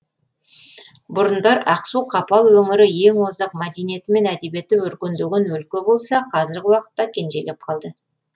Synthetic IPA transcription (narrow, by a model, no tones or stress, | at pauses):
bʊɾənd̪ɑɾɑqsuqʰɑpɑlˠwɵŋɪɾɪje̞ŋwozɑq̚mæd̪e̞nije̞t̪ɪme̞næd̪e̞bje̞t̪ːɪwɵɾkʲend̪eɡʲenwɵlkʲe̞bo̞lˠsɑqʰɑzɪɾɡʲɪwɑqə̥t̪ːɑkʲʰe̞nʒe̞le̞p̚qʰɑlˠd̪ə